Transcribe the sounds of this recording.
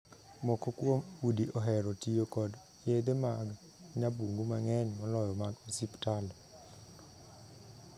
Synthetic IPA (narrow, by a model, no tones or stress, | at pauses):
mɔkɔkwomudiʔɔɦɛɾɔtijokɔd | ed̪emaɡ | ɲabuŋɡumaŋɛnmɔlɔjɔmaɡosiptal